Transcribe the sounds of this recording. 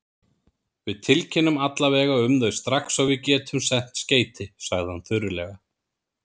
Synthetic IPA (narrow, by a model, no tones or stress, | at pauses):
vɪðt̪ʰɪlcʰɪnːʏmat̪lavɛːɣaʏmðœɥst̪ɾaxsawvɪðcɛːt̪ʰʏmsɛn̥t̪sceːjt̪ɪsaɣðɪhanθʏɾʏlɛɣa